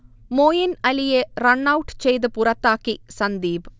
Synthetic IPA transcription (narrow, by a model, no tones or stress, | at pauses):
moːjɐnɐlijerɐɳːɐwuʈːɨ̥t͡ɕejt̪̬ɨpurɐt̪ːaːkːisɐnd̪iːb